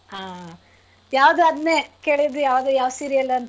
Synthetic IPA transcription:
aː | jaːʋd̪uɐd̪neːkeːɭid̪ujaːʋd̪ujaːʋsiɾiɐlːɐɐnt̪

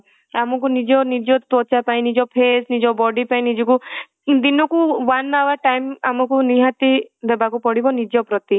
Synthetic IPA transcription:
amɔk̬unid͡ʒɔnid͡ʒɔt̪ɔt͡ʃapaĩnid͡ʒɔpʰesnid͡ʒɔbɔɖipaĩnid͡ʒɔku | d̪inɔkuʋanːaʋaʈajmamɔkuniɦat̪id̪ɛbakupɔɽibɔnid͡ʒɔpɾɔt̪i

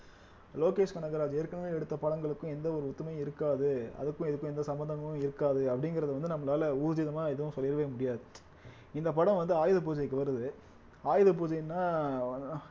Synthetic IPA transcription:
loːkeːʂkɐɳɐɡɐɾaːd͡ʒeːɾkːɐɳɐmeːɛɽɯt̪ːɐpɐɽɐŋɡɐɭɯkːʊ̃ɛnd̪ɐɔɾɯʊt̪ːɐmɐj̃ɪɾɯkːaːðɯɐ̰ðɯkːʊ̃ɛðɯkːʊ̃ɛnd̪ɐsɐmbɐnd̪ɐŋɡɐʊ̃ɪɾɯkːaːðɯɐpːɐɽɪŋɡɪɾɐðɯʋɐnd̪ɯnɐmːɐlaːlɐuːɾðɪðɐmaːɪðɯʋʊ̃sɔlːɪɾɐʋeːɐmʊɽɪjaːðɯ | ɪnd̪ɐpɐɽɐ̃mʋɐnd̪ɯaːjɯðɐp̬uːd͡ʒɐjkːɯʋɐɾɯðɯ | aːjɪðɐpuːd͡ʒɐjnːaː

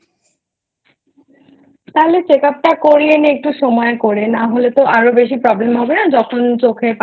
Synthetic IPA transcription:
t̪aɦlet͡sekap̚takoɹieneːk̚ʈusɔmɔjkoɹɛnaɦolet̪oʔaɹobes̬ipɹɔblemɦɔbenazɔkʰɔnt͡ɕokʰɛp

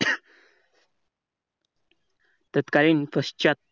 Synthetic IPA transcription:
t̪ət̪kaɾinpəst͡ʃat̪̚

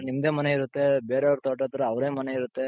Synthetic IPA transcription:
nimd̪eːmɐneiɾut̪ːe̞beːɾeɐʋɾt̪ɔːʈ̬ɐt̪ɐɾɐɐʋɾeːmɐneiɾut̪ːe̞

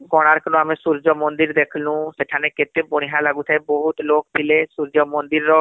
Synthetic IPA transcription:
ɡɔɽ̃aɾkənõamẽsuɾd͡ʒɔmɔ̃nd̪iɾd̪ekʰlũseʈʰaneket̪ebɔɽ̃iɦalaɡut̪ʰaebɔɦut̪lok̚pʰilesuɾd͡ʒɔmɔ̃nd̪iɾːɔ

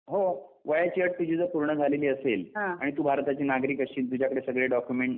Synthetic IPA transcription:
ɦoʋəjat͡ɕiəʈ̚t̪ud͡ʑʱid͡zəɾpuɾɳəd͡zʱaleliːəselɦãaɽ̃it̪uːbʱaɾt̪at͡ɕiːnaɡɾiːkəɕiːlt̪ud͡ʑʱakəɽesəɡɭeɖɔkjumeɳʈ

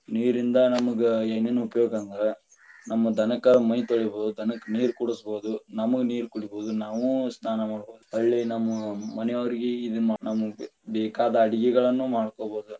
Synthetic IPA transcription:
niːɾind̪ɐnɐmɐɡeeːneːnɐupɐjoːɡɐnd̪ɾe | nɐmːɐd̪ʱɐnɐkɐmɐjt̪oɭiboːd̪ud̪ʱɐnɐkɐniːɾkuɽusboːd̪unɐmɐɡeniːɾkuɽiboːd̪unaːʋusnaːnɐmaːɽboːd̪uɐɭːinɐmːɐmɐnɛjoɐɾiɡeid̪umnɐmɐbɛːkaːd̪ɐːɽiɡɛɡɐɭɐnːumaːɽkoːbo̞ːd̪u

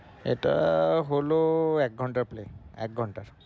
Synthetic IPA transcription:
ḛtaɦoloɛk̚ɡʱɔntaɹpleɛ̰k̚ɡʱɔntaɹ

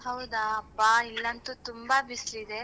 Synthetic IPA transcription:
ɦɐwud̪ɐːpːailːɐnt̪ut̪umbɐbislid̪e

